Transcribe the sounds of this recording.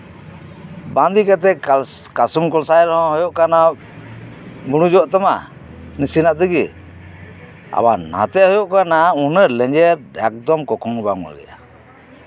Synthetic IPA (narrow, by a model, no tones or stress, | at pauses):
band̪ikat̪̬ɛ | kasumkɔlsajɾɔhɔ̃hɔjɔʔkana | buɽ̃ud͡ʒɔʔt̪ama̰ | nisinaʔt̪əɡi | a̰bana̰t̪ɛʔhɔjɔʔkanaunəlɛ̃ɲd͡ʒɛɾɛk̚d̪ɔmkɔkʰɔŋbaŋa̰ɡɛ̰ja̰